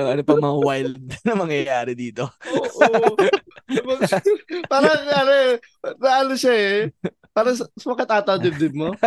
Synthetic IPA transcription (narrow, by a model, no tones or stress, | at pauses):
oʔɐnopɐŋmɐŋawajld̪̚nɐŋmɐŋjɐjaːɾɛd̪iːt̪ooʔ | bɐpaːɾɐɐnoɛ | nɐʔɐnoʃɐɛ | paːɾɐssɐwɐkɐt̪aːt̪ɐd̪ɪb̚d̪ɪd̪̚mo